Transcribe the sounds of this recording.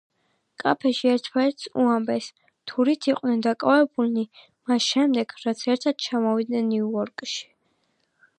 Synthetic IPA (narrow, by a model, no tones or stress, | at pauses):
kʼa̰pʰɛʃiɛɾt̪ʰmaɛɾt̪sṵambɛs | t̪ʰuɾit̪ʰiqʼnɛnd̪akʼavɛbulni | masʃɛmd̪ɛɡ̥ɾat̪sʰɛɾt̪ʰad̪̥̚t͡ʃʰamɔvid̪nɛnːiuɔɾkʼʃi̥